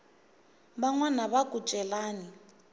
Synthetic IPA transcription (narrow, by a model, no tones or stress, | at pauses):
baŋwanaβakʼut͡ʃʼɛlaːni